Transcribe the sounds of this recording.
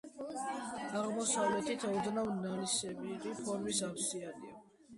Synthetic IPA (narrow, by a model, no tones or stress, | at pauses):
aʁmɔsavlɛt̪ʰit̪ʰɔd̪navnalisɛbiːqʼipʰɔɾmisafsiania